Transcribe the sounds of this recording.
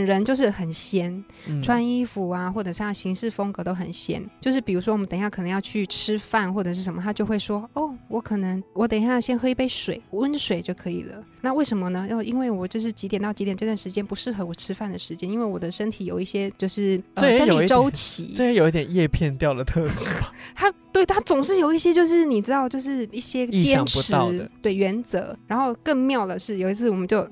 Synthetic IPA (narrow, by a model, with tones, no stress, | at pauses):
nɻə˧˦˥nt͡ɕjo˥˧ʊʂ̬ɻ̩˥˩xə˨˩nɕjɛ˥n | ʈ͡ʂʰwa˥ni˥fu˨˩a˧xwɔ˥˩ʈ͡ʂɤ˨˩ʂɕi˧˥ŋʂɻ̩˥˩fɤ˥ŋkɤ˧˥t̪o˥ʊxə˨˩nɕjɛ̰˥nt͡ɕjo˥˧ʂɻ̩˥˩pi˨˩ɻu˧˥ʂwɔ˥wmə˦t̪ŋjkʰɤ˨˩nə˧˦jɑ˥˧ʊt͡ɕʰy˥˩ʈ͡ʂʰɻ̩˥fa˥˩nxwɔ˥˩ʈ͡ʂɤ˨˩ʂɻ̩˥˩ʂə˧˦nmə˧˩t̪ʰa˥jo˥˧ʊxwe˥˩ɪʂwɔ˥ɔ˥˩wɔ˧˥kʰɤ˨˩nə˧˥ŋwɔ˧˥t̪ə˨˩ŋɕa˥˩˥ɕjɛ˥nxe˥i˧pe˥˩ɪʂwe˨˩ɪə˦˥nʂwe˨˩ɪt͡ɕjo˥˩ʊkʰɤ˧˥ḭ˨˩lə̰˦na˥˧we˥˩ɪʂə˧˥nmə˧nə˧˥˩i˥nwe˥˩ɪwɔ˨˩t͡ɕjo˥˧ʊʂɻ̩˥˩t͡ɕi˧˥jnt̪ɑ˥˩ʊt͡ɕi˧˥t̪jɛ˨˩nʈ͡ʂɤ˥˧t̪wa˥˩nʂɻ̩˧t͡ɕjɛ˥npu˧˥ʂɻ̩˥˩xɤ˧˥wɔ˨˩ʈ͡ʂʰɻ̩˥fa˥˩nd̪ə˩ʂɻ̩˧˥t͡ɕjɛ˥ni˥nwe˥˩ɪwɔ˨˩d̪ə˦ʂə˥nt̪ʰi˨˩jo˨˩ʊi˥˩ɕjɛ˥t͡ɕjo˥˧ʊʂɻ̩˥˩ə˥˧˦ə˥jo˨˩ʊ˨˥ʈ͡ʂo˥ʊ˩t͡ɕʰḭ˧˥˦ə˥˧jɛ˧˥jo˨ʊi˥˩t̪jɛ˨˩njɛ˥˧pʰjɛ˥˧nt̪jɑ˥˨ʊd̪ə˩t̪ʰɤ˥˧ʈ͡ʂi˨˥˩t̪ʰa˥t̪we˥˩ɪt̪ʰa˥t͡sʊ˨˩ŋʂɻ̩˥˩jo˨˩ʊi˥˩ɕjɛ˥t͡ɕjo˥˧ʊʂ̬ɻ̩˥˩ni˨˩ʈ͡ʂɻ̩˥t̪ɑ˥˧ʊt͡ɕjo˥˧ʊʂɻ̩˥˩i˥˩ɕjɛ˥t͡ɕjɛ˥n˥ŋʈ͡ʂpu˧˦ɻɑ˥˧ʊə˨t̪we˥˩ɪɥɛ˧˥nt͡sɤ˧˥ɻa˧˥nxo˥˧ʊkə˥˧ŋmjɑ˥˩ʊd̪ə˩ʂɻ̩˥˩jo˨˩ʊi˧˥t͡sʰɹ̩˥˩wɔ˨˩mə˦nt͡ɕjo˥˧˩ʊ